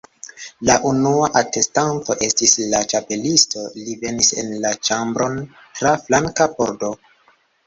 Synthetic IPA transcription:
laʔunuaʔate̞stanto̞ʔe̞stislat͡ʃape̞listo̞live̞nise̞̰nlat͡ʃambɾo̞n | tɾaflaŋkapo̞̰ɾdo̞

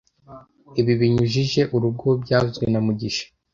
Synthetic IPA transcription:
iβiβiɲuʒiʒe̞ʔuɾub̚ɡoːbɟaːzɡwenamuɟiʃḁ

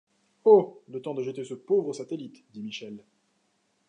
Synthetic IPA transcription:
olət̪ɑ̃d̪əʒət̪esəpovʁəsat̪elit̪d̪imiʃɛl

